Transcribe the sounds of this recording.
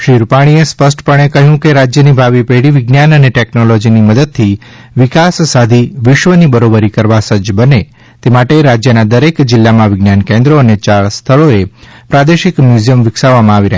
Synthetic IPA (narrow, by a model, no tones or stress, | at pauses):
ʃiɾpaɽ̃iespəsʈpəɳ̃ekəɦjũkeɾad͡ʒjənibʱaʋipeɽiʋɪɡnjanəneʈeknolɔd͡ʒiniməd̪əd̪̚t̪ʰi | ʋɪkasːad̪ʱiʋɪʃʋənibəɾobəɾikəɾʋasəd͡ʒbəne | t̪emaʈeɾad͡ʒjənad̪əɾekd͡ʒɪlːamãʋɪɡnjankẽnd̪ɾoənet͡ʃaɭst̪ʰəɭoepɾad̪eʃɪkmjuzijəmʋɪksaʋamãaʋiɾəɦ